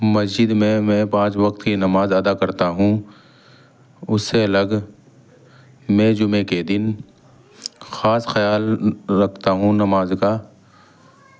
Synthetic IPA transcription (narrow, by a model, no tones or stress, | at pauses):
mɐsd͡ʒɪd̪mẽmɛ̃ːpãːt͡ʃʋɐqt̪kinɐmaːzɐd̪akɐɾt̪aɦũ | ʊsːeɐləɡ | mɛ̃d͡ʒʊmeked̪ɪn | xaːsxɐjaːlɾɐkʰt̪aɦũnɐmaːzka